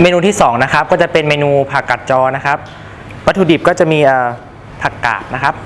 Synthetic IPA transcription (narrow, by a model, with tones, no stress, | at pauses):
meː˧nuː˧iː˥˩sɔː˩˦ŋna˦˥kʰa˦˥p̚kɔː˥˩t͡ɕa˨˩pe˧nmeː˧nuː˧pʰaː˨˩kːa˨˩t̪̚t͡ɕɔː˧na˦˥kʰa˦˥p̚ | wa˦˥t̪ʰuː˧di˨˩p̚kɔː˥˩t͡ɕa˨˩ʔmiː˧ʔəː˨˩ | pʰa˨˩ka̰ː˨˩t̪̚na˦˥kʰa˦˥p̚